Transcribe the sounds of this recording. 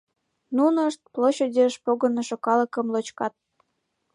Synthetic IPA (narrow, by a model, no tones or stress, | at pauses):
nunəʃt̪̚ploɕedʲeʃpoɣənɤʃokɑlə̆kə̆mlot͡ɕkɑt̪̚